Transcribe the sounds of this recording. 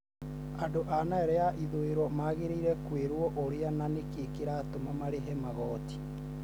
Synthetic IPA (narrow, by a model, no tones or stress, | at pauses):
andoʔanaɛɾɛjaʔiðoeɾɔmaɣeɾiɾɛkweɾwɔʔoɾeananekekeɾaːtomamaɾeɦɛmaɣɔːti̥